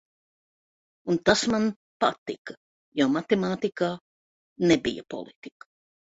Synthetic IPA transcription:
unt̪asman | pat̪ikɐ | jomat̪ɛmaːt̪ikaː | nebḭja̰pɔ̰lˠit̪ikḁ

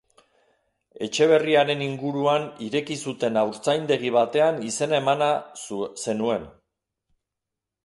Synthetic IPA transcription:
e̞t͡ʃe̞β̞e̞riaɾe̞niŋɡuɾuaniɾe̞kisut̪e̞nawɾt͡sajnd̪e̞ɣiβ̞at̪e̞anise̞naemanase̞nue̞n

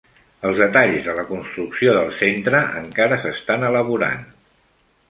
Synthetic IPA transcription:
əlˠzðət̪aʎzðələkunst̪ɾuksioðəlˠsent̪ɾəʔə̰ŋkaɾəsəst̪anələβuɾa̰n

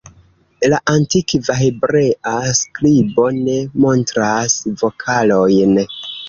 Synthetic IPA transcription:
laʔantikvaɦebɾe̞ʔasklibo̞ne̞mo̞ntɾasvo̞kʰalo̞jn

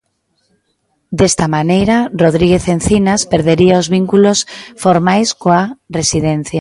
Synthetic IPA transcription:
d̪est̪amanejɾaroðɾiɣeθenθinaspeɾðeɾiaozβiŋkulosfoɾmajskoaresiðen̟θja

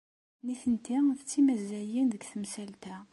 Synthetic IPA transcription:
niθənt̪iθət͡sːimæzæjinðəɡθəmsælt̪æ

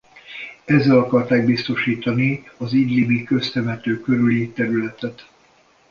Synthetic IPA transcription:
ɛzːɛlɒkɒrt̪aːɡ̚bist̪o̞ʃiːt̪ɒniɒziːɟlibikø̞st̪ɛmɛt̪øːkøɾylit̪ɛɾylɛt̪ɛt̪

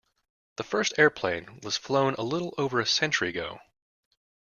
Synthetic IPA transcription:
ðəfɜ˞stɛɹpʰl̥ẽɪ̃nwʌz̥flõʊ̃nʔə̰lɪɾl̩ˠoʊvə˞ɨsɛ̃nt͡ʃə˞iɨɡoʊ

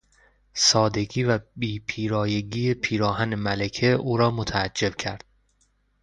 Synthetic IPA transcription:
sɒːd̪e̞ɡiːvæbiːpʰiːɾɒːje̞ɡiːepʰiːɾɒːhæne̞mælekʰeʔuːɾɒːmot̪ʰæːd͡ʒːe̞bcʰæɾd̪̥̚

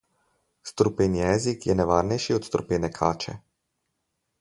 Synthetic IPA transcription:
st̪ɾupeːnjɛzikjɛnɛʋaːɾnɛjʃiɔt̪st̪ɾupeːnɛkʰaːt͡ʃɛ̰

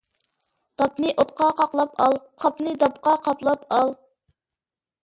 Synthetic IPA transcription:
d̪̥ɑpnɨʔot̪̚qɑqɑqlˠɑpʰɑlˠqʰɑpnɨd̪ɑp̚qɑqʰɑplˠɑpɑlˠ

